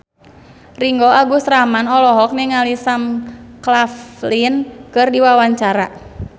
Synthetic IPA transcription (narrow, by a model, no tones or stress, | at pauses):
riŋɡɔaɡusɾamanɔlɔɦɔk̚nɛŋalisamklaflinkɨrdiwawaɲt͡ʃaɾa